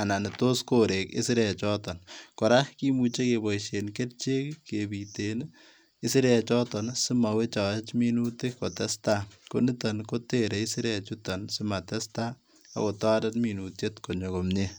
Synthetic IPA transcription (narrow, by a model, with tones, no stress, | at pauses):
a˨na˨ni˨to˦skoɾekḛ˦sɪ˦ɾe˨t͡ʃɔ˦tɔ˨nkɔ˨ɾa˦hki˦mu˨t͡ʃe˦kebɔ˨iʃe˨nke˦t̚t͡ʃe˦kkebiten | ɪ˦si˦ɾɛt͡ʃɔtɔnsi˦ma˨we˦t͡ʃɔ˨t͡ʃmi˦nu˦ti˦ko˨tɛ˦stakoni˦tankoteɾe˨ɪ˦si˦ɾet͡ʃutɔnsi˦ma˨tɛ˦sta | a̰˨ko˨tɔ˦dɐtmi˨nu˨tjetko˨ɲo˨komɲe˦